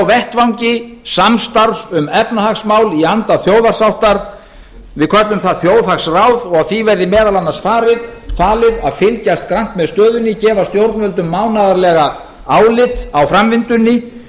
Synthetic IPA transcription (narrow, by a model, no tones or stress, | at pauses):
wvɛht̪vawɲcɪsamst̪aɾsʏmɛpnahaxsmaːwliant̪aθjoːwðar̥sawht̪aɾ̥ | vɪðkʰœt̪lʏmθaðθjoːwðhaksrawðɔɣaðθivɛɾðɪmɛːðalanːḁsfaːɾɪðfaːlɪðaðfɪlcast̪kɾaŋ̥t̪mɛðst̪œːðʏnːɪcɛːvast̪jowɾt̪nvœlt̪ʏmːaːwnaðaɾlɛɣa | aːwlɪt̪awfɾamvɪnt̪ʏnːɪ